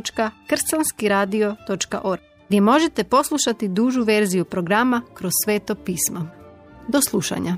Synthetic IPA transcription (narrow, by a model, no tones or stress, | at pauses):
t͡ʃkakr̩sanskiɾaːd̪io̞t̪o̞t͡ʃka̰ʔo̞ɾ | ɡd̪ʲje̞mo̞ʒe̞t̪e̞po̞slˠuʃat̪id̪uːʒuʋe̞ɾzijupɾo̞ɡɾamakɾo̞ssʋe̞ːt̪opiːsma | d̪o̞slˠuʃa̰ɲa